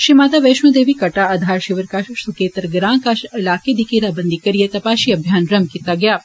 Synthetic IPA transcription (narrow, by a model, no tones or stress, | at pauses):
ʃimaːt̪aːʋeːʃmud̪eːʋikɐʈaɐd̪ʱaːɾʃiʋəɾkaːʃsukeːt̪ɾəɡɾãːŋkaʃɪlaːked̪ikeɾabɐnd̪ikɐɾijet̪ɐpaːʃiɐbʱjaːnɾɐmkit̪aɡɐjaː